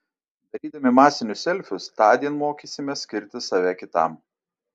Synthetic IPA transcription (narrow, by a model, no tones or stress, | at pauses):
d̪ɐɾʲiːd̪ɐmʲɪmɑːsʲɪnʲʊsʲɛlʲfʲʊst̪ɑːd̪ʲiɛnmoːkʲisʲɪmʲɛsʲkʲɪɾʲt̪ʲɪsɑʋʲɛkʲɪt̪ɐ̰m